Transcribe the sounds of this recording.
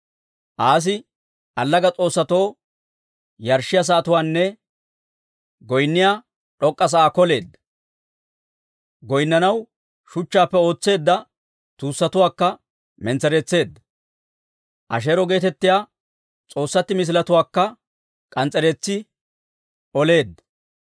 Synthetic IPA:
ʔaːs̬ɪ | ʔɐlːɐɡɐt͡sʼo̞ːsːɐt̪o̞ː | jɐɾʃɪjas̬ɐːt̪ʊwaːnːɛ | ɡɔjnːɪjaː | ᶑɔkʼːɐs̬ɐaːkɔle̞ːd̪ːɐ | ɡɔjnːɐnɐw | ʃʊt͡ʃːaːpːɛo̞ːt͡sːe̞ːd̪ːɐ | t̪uːsːɐt̪ʊwaːkːɐ | mɛnt͡sɛɾeːt͡sːe̞ːd̪ːɐ | ʔɐ̰ʃ̬eːɾɔɡe̞ːt̪ɛt̪ːɪjaː | t͡sʼo̞ːsːɐt̪ːɪmɪs̬ɪlɐt̪ʊwaːkːɐ | kʼɐnt͡sʼɛɾet͡sːɪ | ɔle̞ːd̪ːɐ

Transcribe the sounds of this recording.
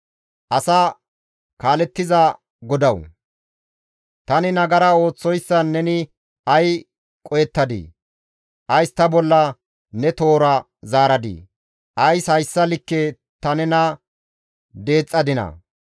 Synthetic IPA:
ʔɐsa | kaːlɛt̪ːɪzɐ | ɡɔd̪ɐw | t̪ɐnɪnɐɡɐɾɐo̞ːt͡sːɔjsːɐnːɛnɪ | ʔɐj | kʼɔjɛt̪ːɐd̪ḭː | ʔɐjst̪ɐbɔlːɐ | nɛt̪o̞ːɾɐ | zaːɾɐd̪ḭː | ʔɐjshɐjsːɐlɪkːe | t̪ɐnɛnɐ | d̪e̞ːt͡sʼːɐd̪ɪnɐ̰

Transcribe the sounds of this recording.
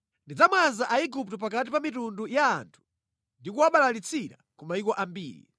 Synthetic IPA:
ndid͡zamwanzaʔaiɡuptɔpakatipamitundujaːntʰu̥ | ndikuwaɓalalit͡sʰiɾa̰kɔmaikɔʔambiːɾḭ

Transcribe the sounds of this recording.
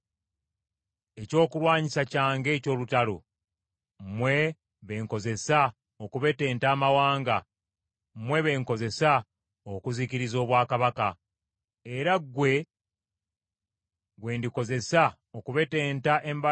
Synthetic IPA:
eco̞ːkulwaːɲisacaːŋɡe̞ːco̞ːlutalo̰ | mwe̞ | βe̞ːŋko̞ze̞sa | okuβe̞te̞ːntaːmawaːŋɡa | mwe̞βe̞ːŋko̞ze̞sa | okuziciɾizo̞ːβwaːkaβaka | e̞ɾaɡwe̞ | ɡwe̞ːndiko̞ze̞sa | okuβe̞te̞ːntaʔe̞mba

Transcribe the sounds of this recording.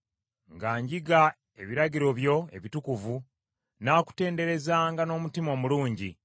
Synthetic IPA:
ŋɡaːɲɟiɡa | e̞βiɾaɟiɾo̞βjo̞e̞̰βitukuvu | naːku̥te̞ːnde̞ɾe̞zaːŋɡano̞ːmutimo̞ːmuluːɲɟi

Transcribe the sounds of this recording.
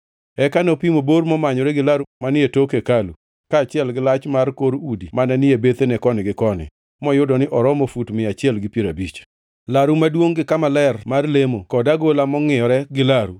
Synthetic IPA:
ɛkanopimoboɾmɔmaɲɔɾɛɡɪlaɾumanɪetokekalu | kaːt͡ʃɪɛlɡɪlat͡ʃmarkoɾudimanɛnɪjebet̪enɛkɔnɪɡɪkɔnɪ̰ | mɔjʊdɔnɪʔɔɾɔmofutmɪat͡ʃɪɛlɡɪpjeɾabit͡ʃ | laɾumadwoŋɡɪkamalɛrmarlemokɔdaɡolamɔŋɪjɔɾɛɡɪlaɾu

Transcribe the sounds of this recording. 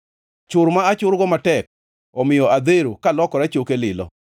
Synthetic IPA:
t͡ʃʊɾmaat͡ʃʊɾɡɔmatɛk̚ | ɔmɪjɔʔad̪eɾokalɔkɔɾat͡ʃokelɪlɔ̰

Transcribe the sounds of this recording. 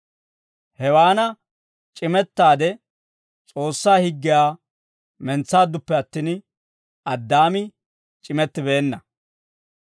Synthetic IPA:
hɛwaːnɐ | t͡ʃʼɪmɛt̪ːaːd̪ɛ | t͡sʼo̞ːsːaːhɪɡːɪjaː | mɛnt͡sːaːd̪ːʊpːɛɐt̪ːiːn | ʔɐd̪ːaːmɪ | t͡ʃʼɪmɛt̪ːɪbe̞ːnːɐ

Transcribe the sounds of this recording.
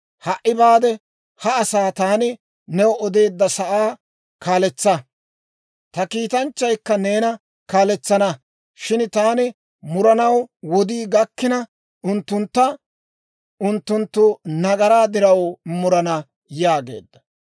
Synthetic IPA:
hɐʔːɪbaːd̪ɛ | hɐːsaːt̪aːnɪ | nɛwɔɔd̪e̞ːd̪ːɐsɐʔaː | kaːlɛt͡sːɐ | t̪ɐkiːt̪ɐnt͡ʃːɐjkːɐne̞ːnɐ | kaːlɛt͡sːɐnɐ | ʃɪnt̪aːnɪ | mʊɾɐnɐwwɔd̪iːɡɐkːɪnɐ | ʊnt̪ːʊnt̪ːɐ | ʔʊnt̪ːʊnt̪ːʊnɐɡɐɾaːd̪ɪɾɐwmʊɾɐnɐ | jaːɡe̞̰ːd̪ːɐ

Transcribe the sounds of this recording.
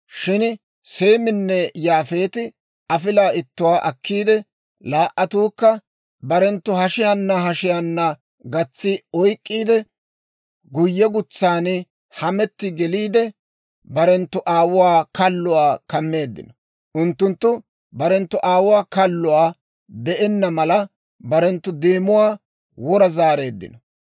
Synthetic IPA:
ʃɪn | se̞ːmɪnːɛjaːfe̞ːt̪ɪ | ɐfɪlaːɪt̪ːʊwaːʔɐkːiːd̪ɛ | laːʔɐt̪uːkːɐ | bɐɾɛnt̪ːʊhɐʃɪjɐnːɐɦɐʃɪjɐnːɐ | ɡɐt͡sːɪɔjkʼːiːd̪ɛ | ɡʊjːɛɡʊt͡sːaːnɪ | hɐmɛt̪ːɪɡɛliːd̪ɛ | bɐɾɛnt̪ːʊʔaːwʊwaːkɐlːʊwaːkɐmːe̞ːd̪ːɪ̰nɐ | ʔʊnt̪ːʊnt̪ːʊ | bɐɾɛnt̪ːʊʔaːwʊwaːkɐlːʊwaː | bɛʔɛnːɐmɐlɐ | bɐɾɛnt̪ːʊd̪eːmʊwaː | wɔɾɐzaːɾe̞ːd̪ːɪ̰nɐ

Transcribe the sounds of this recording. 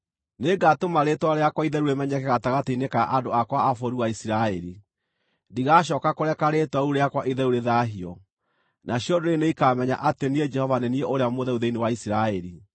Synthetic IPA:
neɡatomaɾetwaɾeakwaiðɛɾuɾemɛɲɛkɛɣataɣateinekaʔadoakwaːfoɾuwaisiɾaɛɾi | ndiɣaɕ̬ɔːkakoɾɛkaɾetwauɾeakwaʔiðɛuɾeðaːɦiɔ | nʔaɕiɔdoɾeneikamɛɲa̰ʔatenied͡ʒɛhɔvanɛnieoɾeamoðɛuðeinewaisiɾaɛɾi

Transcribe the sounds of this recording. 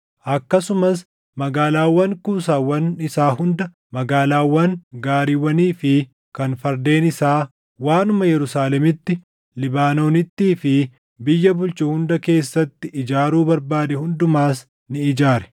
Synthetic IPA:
ʔɐkːɐsʊmɐs | mɐɡaːlaːwːɐŋkuːsaːwːɐnɪsaːɦʊnd̪ɐ | mɐɡaːlaːwːɐŋɡaːɾiːwɐniːfɪ | kɐnfɐɾd̪e̞ːnɪsaː | waːnʊmɐjɛɾʊsaːlɛmɪt̪ːɪ | lɪbaːno̞ːnɪt̪ːiːfɪ | bɪjːɐbʊlt͡ʃʊhʊnd̪ɐke̞ːsːɐt̪ːɪʔɪd͡ʒaːɾuːbɐɾbaːd̪ɛhʊnd̪ʊmaːs | nɪɪd͡ʒaːɾɛ̥

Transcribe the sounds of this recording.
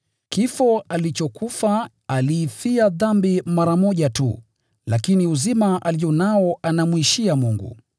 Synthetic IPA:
kifɔalit͡ʃɔkufa | aliːfiaðambimaɾamɔʄatṵ | lakiniuzimaʔalijɔnaɔʔanamwiʃiamuŋɡṵ

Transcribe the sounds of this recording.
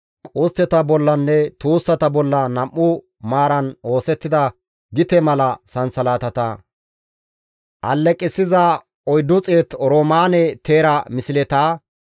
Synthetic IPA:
kʼoːst̪ːɛt̪ɐbɔlːɐnːɛt̪uːsːɐt̪ɐbɔlːɐnɐmʔːʊ | maːɾɐno̞ːsɛt̪ːɪd̪ɐ | ɡɪt̪ɛmɐlɐsɐnsɐlaːt̪ɐt̪ɐ | ʔɐlːɛkʼːɪsɪza | ɔjd̪ːʊt͡sʼeːt̪ɔɾoːmaːnɛt̪eːɾɐmɪsɪlɛt̪aː

